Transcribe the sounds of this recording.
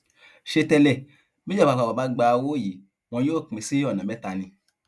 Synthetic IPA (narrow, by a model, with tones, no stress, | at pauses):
ʃe˧tɛ˧lɛ˨ | mi˦d͡ʒɛ˦˨a˧ka˧˨a˨ba˨˦ɡ͡ba˧wo˦˨ji˨˦ | w̃ɔ̃˧˦joː˦˨ke˨˧si˦ɔ˦˨nã˨mɛ˦ta˧nĩ˧